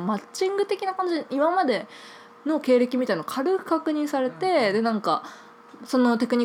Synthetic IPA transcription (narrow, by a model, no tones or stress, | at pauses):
mat͡ɕĩŋɡɯ̟t̪e̞kʲinakãɲd͡ʑiimamad̪e̞ | no̞ke̞ːɾe̞kʲimʲit̪ainokʰaɾɯ̟kɯ̟̥kakɯ̟ɲ̟ĩsaɾe̞t̪e̞d̪e̞nãŋka̰ | so̞no̞t̪e̞kɯ̟ɲ̟i